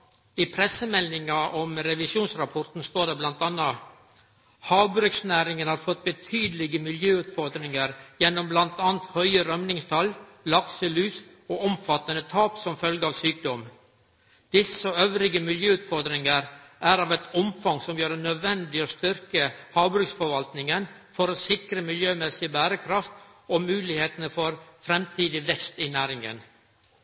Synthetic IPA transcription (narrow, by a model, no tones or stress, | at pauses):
ɪpʰɾɛsəmɛlɪŋɑʔɔmɾɛʋɪsjuːnsɾɑpʰɔɾt̪n̩st̪oːɖɛblɑnt̪ɑnːɑ | hɑːʋbɾʉksnæːɾɪŋənhɑːɾfɔt̪̚ːbət̪ʰyːd̪əlɪɡəmɪljøːʉːt̪fɔɾd̪ɾɪŋəɾjɛnːɔmblɑnt̪ɑːnt̪hœʏəɾœmnɪŋst̪ʰɑl | lɑksəlʉːs | oːɔmfɑt̪ːənət̪ʰɑːpsɔmfœlɡəɑːʋsyːk̚d̪ɔm | d̪̥ɪsəøʋɾɪɡəmɪljøːʉːt̪fɔɾd̪ɾɪŋəɾʔæɾɑːʋɛt̪ʰɔmfɑŋsɔmjøːɾnœd̪ʋɛnd̪ɪoːst̪ʏɾkəhɑːʋbɾʉksfɔɾʋɑlt̪nɪŋən | fɔɾoːsɪkɾəmɪljøːmɛsɪəbæːɾəkʰɾɑft̪ | oːmʉːlɪheːt̪ənəfɔɾfɾɛmt̪ʰiːd̪ɪʋɛkst̪inæːɾɪŋə̰n